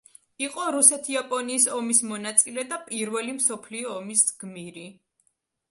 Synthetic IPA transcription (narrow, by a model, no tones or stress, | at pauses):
iqʼɔɾusɛt̪ʰiapʼɔniːsɔmismɔnat̪sʼilɛd̪apʼiɾvɛlimsɔpʰliɔːmisɡ̥miɾi